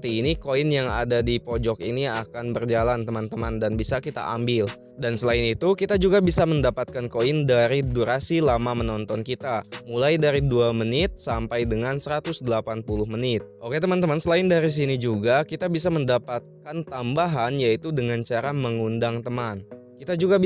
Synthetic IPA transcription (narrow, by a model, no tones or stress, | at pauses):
t̪iːnikoinjaŋa̰dadipod͡ʒɔkiniakanbərd͡ʒalant̪əmant̪əmandanbisakit̪a̰ʔa̰mbɪl | dansəlaɪnit̪ukit̪ad͡ʒuɡabisaməndapat̪̚kankoindaɾiduɾasilamamənɔnt̪ɔnkit̪amulajdaɾiduamənɪt̪̚sampajdəŋansəɾat̪ʊsdəlapanpulʊhmənɪt̪̚ʔoket̪əmant̪əmansəlaɪndaɾis̬inid͡ʒuɡakit̪abis̬aməndapat̪̚kant̪ambaɦanjait̪udəŋant͡ʃaɾaməŋundaŋt̪əman | kit̪ad͡ʒuɡa